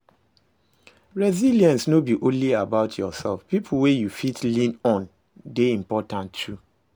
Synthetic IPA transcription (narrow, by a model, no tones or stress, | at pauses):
ɹɛziliɛ̃nsnobiʔõnliabaʊtʰjɔsɛlfpipʰul̩wejufitʰlĩnɔ̃n | deĩmpɔtãntʰːu